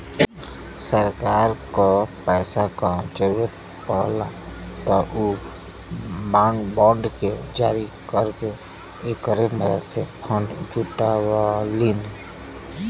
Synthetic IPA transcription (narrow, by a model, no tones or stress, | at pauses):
səɾkaːɾkopɛːsakad͡ʒəɾuɾət̪ | pəːlat̪ɔʔu | babɔ̃ːɳɖked͡ʒaːɾi | kəɾke | eːkːəɾeməd̪əd̪sepʰə̃ɳɖd͡ʒuʈawaliːn